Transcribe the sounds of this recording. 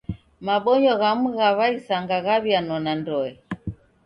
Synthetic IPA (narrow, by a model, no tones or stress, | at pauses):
maɓɔɲɔɣamuɣaβaisaŋɡaɣaβjanɔnandɔɛ